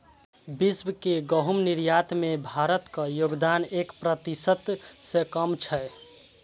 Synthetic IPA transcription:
bisbkeɡəɦumniɾjat̪mebʱaɾət̪kəjoɡd̪anekpɾət̪isət̪sẽkəmt͡ʃʰɛ

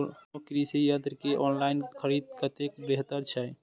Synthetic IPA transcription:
okɾisejəd̪ɾkeʔɔːnlaɪnkʰəɾid̪̚kət̪ekbeɦt̪əɾt͡ʃʰaj

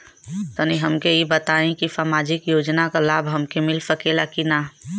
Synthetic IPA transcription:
t̪oniɦɐmkeibət̪aːẽkisamaːd͡ʒɪkjoːd͡ʒnakalaːbʱɦɐmkemɪlsəkeːlakina

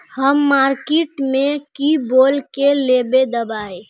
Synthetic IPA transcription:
həmːaɾkeʈmekibolkelebed̪əbae

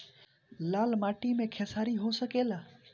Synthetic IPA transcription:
laːlmaːʈimẽkʰesaːɾiɦosəkeːlaː

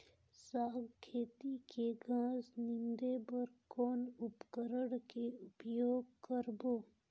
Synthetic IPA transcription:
saːɡkʰeːt̪ikeɡãːznɪnd̪ebəɾkoːnʊpkəɾəɽkeʊpjoːɡkəɾboː

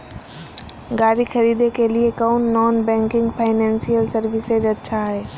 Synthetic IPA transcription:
ɡaːɾixʰɐɾiːd̪ekeliekɔːnːɔːnbɛ̃ːŋkɪ̃ŋɡpʰaːɪnɛ̃ːnsijəlsɐɾʋɪsed͡ʒɐtːʃʰaɦɛː

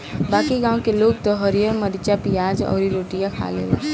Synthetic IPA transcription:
baːkiɡãːwkeloːɡ̚t̪ɔɦəɾijəɾməɾit͡ʃapijaːd͡ʒɔ̰ːɾiɾoːʈijãkʰa̰lḛlː

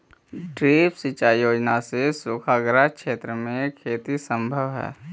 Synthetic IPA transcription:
ɖɾiːpsit͡ʃaːjoːd͡ʒnasesʊːkʰaɡɾakʃeːt̪ɾəmẽkʰeːt̪isə̃mbʱəʋɦɛ̰ː

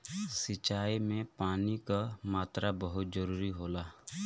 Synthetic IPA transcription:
sɪt͡ʃaːimẽpaːnikamaːt̪ɾabəɦʊt̪̚d͡ʒəɾuːɾiɦoːlaː

